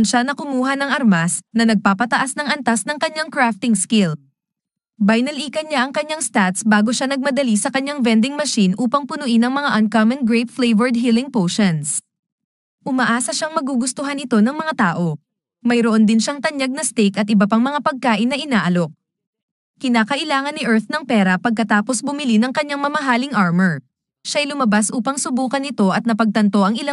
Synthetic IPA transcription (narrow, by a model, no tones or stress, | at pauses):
nʃanɐkʊmuːɦɐnɐŋʔɐɾmasnɐnɐɡ̚paːpɐt̪ɐʔasnɐŋʔɐnt̪asnɐŋkɐɲːaŋkɹaft̪ɪŋskɪl | bajnɐliːkɐɲaʔɐŋkɐɲːaŋst̪at̪sbaːɡoʃanɐɡ̚mɐd̪ɐlisɐkɐɲːaŋvɛnd̪ɪŋmɐʃinʔuːpɐŋpʊnʊʔɪnɐŋmɐŋaʔɐnkamɐnɡɹejp̪flɛjvɛɹd̪̚ɦilɪŋpoːʃɐns | ʔʊmɐʔaːsɐʃaŋmɐɡuɡʊst̪ʊɦanɪt̪o̞nɐŋmɐŋat̪aːʔo̞ | mɐjɾoʔond̪ɪnʃaŋt̪ɐɲjaɡ̚nɐst̪ɛjkɐt̪̚ɪbɐpaŋmɐŋapɐɡ̚kaːʔɪnːɐʔɪnaːʔɐlo̞k̚ | kɪnaːkɐʔɪlaːŋɐnːɪʔɛɹt̪nɐŋpɛːɾɐpɐɡ̚kɐt̪aːpo̞sbʊmɪlinɐŋkɐɲːaŋmɐmɐɦaːlɪŋʔaɹmɛɹ | ʃaɐjlʊmɐbasʔuːpɐŋsʊbuːkɐnɪt̪o̞ʔɐt̪̚nɐpɐɡ̚t̪ɐnt̪o̞ʔɐŋɪla